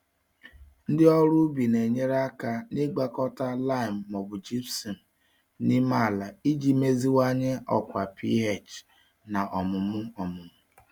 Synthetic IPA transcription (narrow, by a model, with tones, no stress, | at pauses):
n̩˦dɪ˦ɔ˦ɾu˦bi˨ne˨ɲe˦ɾa˦ka˦nɪ˦ɡ͡ba˦kɔ˦ta˦la˦ɪ˨m̩ː˨ɔ˨bʊ˨d͡ʒi˦psɔ˨m̩˨ | ni˦ma˦˨la˨i˦d͡ʒi˦me˦zi˦wa˦ɲe˦ɔ˨kʷa˨pʰi˦ɦe˨t͡ʃ | na˨ʔɔ˨mʊ˨mʊ˦ɔ˨mʊ˨mʊ˦